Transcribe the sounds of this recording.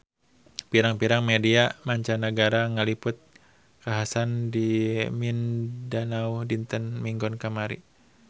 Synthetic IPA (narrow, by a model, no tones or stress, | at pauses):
piɾaŋpiɾaŋmediamaɲt͡ʃanəɡaɾaŋəlipʊt̪̚ | kaɦasandimindanaudint̪ənmiŋɡɔnkamaɾḭ